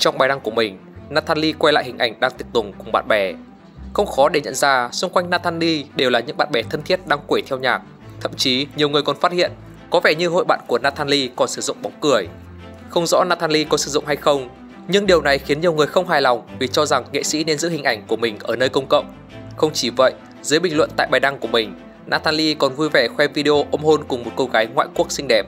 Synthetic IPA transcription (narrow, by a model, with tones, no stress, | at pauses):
t͡ɕɔ˧ŋ͡mɓaː˨˩jna˧ŋku˧˩əmï˨˩ŋ̟ | naː˧t̪ʰaː˧nli˧kwa˧jla̰ː˧˨hï˨˩ŋ̟ʔa˧˩jŋ̟ɗaː˧ŋt̪i˨˩k̚t̪ʊ˨˩ŋ͡mkʊ˨˩ŋ͡mɓa̰ː˧˨nɓɛ˧˩ | xə˧wŋ͡mxɔ˨˦ɗe˧˩ɲə̰˧˨nzaː˧˩sʊ˧ŋ͡mkwa˧jŋ̟naː˧t̪ʰaː˧nli˧ɗe˨˩wlaː˨˩ɲɨ̰˧˥ɓa̰ː˧˨nɓɛ˧˩t̪ʰə˧nt̪ʰi˦˥ət̚ɗaː˧ŋkwe˧˩t̪ʰɛ˧wɲaː˨˩k̚ | t̪ʰə̰˧˨mt͡ɕi˨˦ɲi˨˩əwŋɨ˨˩əjkɔ˨˩nfaː˦˥t̚hḭ˧˨ən | kɔ˨˦vɛ˧˩ɲɨ˧ɦo̰˧˨jɓa̰ː˧˨nku˧˩ənaː˧t̪ʰaː˧nli˧kɔ˨˩nsɨ˧˩zʊ̰˧˨ŋ͡mɓa˨˦ŋ͡mkɨ˧˩əj | xə˧wŋ͡mzɔ̰˧˥naː˧t̪aː˧nli˧kɔ˨˦sɨ̥˧˩zʊ̰˧˨ŋ͡mha˧jxə˧wŋ͡m | ɲɨ˧ŋɗi˨˩əwna˨˩jxi˨˦ənɲi˨˩əwŋɨ˨˩əjxə˧wŋ͡mɦaː˨˩jlɔ˨˩wŋ͡mvi˨˩t͡ɕɔ˧za˨˩ŋŋḛ˧˨sḭ˧˥ne˧nzɨ̰˧˥hï˨˩ŋ̟ʔa˧˩jŋ̟ku˧˩əmï˨˩ŋ̟ʔəː˧˩nəː˧jkə˧wŋ͡mkə̰˧˨wŋ͡m | xə˧wŋ͡mt͡ɕi˧˩və̰˧˨jʔ | zɨ˨˦jɓï˨˩ŋ̟lwə̰˧˨nt̪a̰ː˧˨jɓaː˨˩jɗa˧ŋku˧˩əmï˨˩ŋ̟ | naː˧t̪ʰaː˧nli˧kɔ˨˩nvu˧jvɛ˧˩xwɛ˧vi˧ɗi˧ʔo˧ʔə˧ŋ͡mho˧nkʊ˨˩ŋ͡mmo˨˩t̚ko˧ɣaː˨˦jŋwa̰ː˧˨jku˦˥ək̚sï˧ŋ̟ɗɛ˨˩p̚